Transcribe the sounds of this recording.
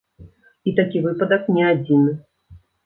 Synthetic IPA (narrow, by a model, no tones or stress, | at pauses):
it̪akʲivɨpɐd̪ɐknʲɛad͡zʲinɨ